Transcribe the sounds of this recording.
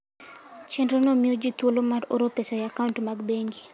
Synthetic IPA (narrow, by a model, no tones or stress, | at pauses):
t͡ʃendɾonomiod͡ʒit̪wolomaɾo̰ɾopesɔjakauntmaɡbeŋɡi